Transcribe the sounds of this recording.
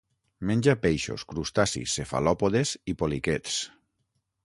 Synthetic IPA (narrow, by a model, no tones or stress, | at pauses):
mẽnʲd͡ʒapejʃo̰skɾust̪asḭsːefa̰lɔpoðesipoliket̪s